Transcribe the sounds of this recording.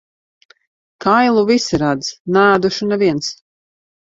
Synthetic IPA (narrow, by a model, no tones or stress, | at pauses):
kʰajlˠuvisiɾad̪z̥næːd̪uʃunɛviɛns